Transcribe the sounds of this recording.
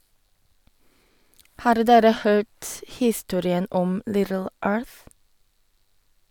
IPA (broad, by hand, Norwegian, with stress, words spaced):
ˈhɑːɾ ˈdeːɾə ˈhøːt ˈhiːˌstuːɾɪən ˈɔm ˈlɪdəl ˈøːɹθ